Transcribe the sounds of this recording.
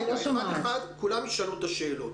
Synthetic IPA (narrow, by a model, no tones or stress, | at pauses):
oaexad̪kulamjeʃalut̪aʃe̞ːlot̪